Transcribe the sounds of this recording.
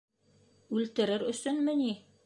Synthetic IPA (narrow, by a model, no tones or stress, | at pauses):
ʉlt̪ɘ̆ɾɘɾɵ̆sɵnmɘ̆ni